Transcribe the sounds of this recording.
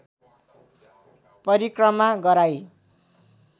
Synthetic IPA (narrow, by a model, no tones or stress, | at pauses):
pʌɾikrʌmaɡʌɾaj